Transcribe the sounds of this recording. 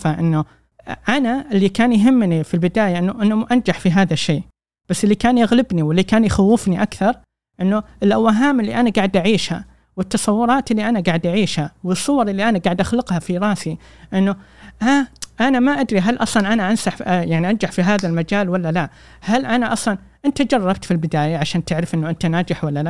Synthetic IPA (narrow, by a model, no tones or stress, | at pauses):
aʔɪnːʊ | ʔanaʔɪlːikaːnjɦɪmːnifilbɪd̪aːjaʔɪnːʊʔɪnːʊmʔand͡ʒaħfiɦaːðaʃːeː | b̥asːʔɪlːikaːnjaɣlɪbniwɪlːikaːnjxawːɪfniʔakθɑɾˤ | ʔɪnːʊɪlʔawːaɦaːmʔɪlːiʔanaɡaːʕd̪ʔaʕiːʃha̰ | wɪt̪ːɑsˤɑwːʊɾˤɑːt̪ɪlːiʔanaɡaːʕd̪ʔaʕiːʃhawɨsˤːʊwɑɾˤʔɪlːiʔanaɡaːʕd̪ʔaxlɪqhafiɾˤɑːsi | ʔɪnːʊ | ʔaʔanamaʔad̪ɾiɦalʔɑ̰sˤlɑnʔanaʔansaħjaʕniʔand͡ʒaħfiɦaːðalmad͡ʒaːlwalːala | halʔanaʔɑsˤlɑn | ʔɪnt̪ad͡ʒɑrˤːɑb̚t̪filbɪd̪aːjaʕaʃaːnt̪ɪʕɾɪfʔɪnːʊʔɪnt̪anaːd͡ʒɪħwalːala